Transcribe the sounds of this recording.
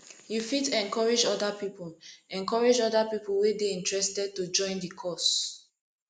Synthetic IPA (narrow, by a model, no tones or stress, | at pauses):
jufitɛ̃nkɔɹed͡ʒɔdapipɔlɛ̃nkɔɹed͡ʒɔdapipuwedeĩntɹɛstɛd̚tud͡ʒɔ̃ɪ̃ndikʰɔs